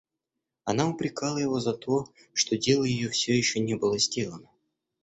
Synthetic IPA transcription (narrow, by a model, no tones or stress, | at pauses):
ɐnaʊpɾʲɪkɑlˠəjɪvo̞zɐt̪o̞ | ʂt̪o̞dʲe̞lˠəjɪjofsʲɵjɪɕːonʲebɨlˠəzʲdʲe̞lˠənə